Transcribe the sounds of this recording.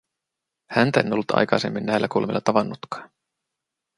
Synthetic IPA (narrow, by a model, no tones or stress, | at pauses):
hænt̪æe̞nolːut̪ʰɑ̰jkɑjse̞̰mːinːæjlːækulmilːɑt̪ɑʋɑnːut̪kɑ̥ːn